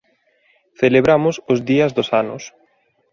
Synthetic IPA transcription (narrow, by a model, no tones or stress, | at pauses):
θeleβɾamʊsʊzðiɐzðosanʊ̰s